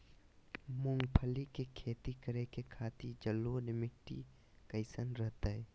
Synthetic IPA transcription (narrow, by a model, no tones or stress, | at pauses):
mʊŋɡpʰəlikekʰeːt̪ikəɾekekʰaːt̪id͡ʒəlːonɪmɪk̚ʈḭ | kəɪsənɾəɦt̪aɦɛː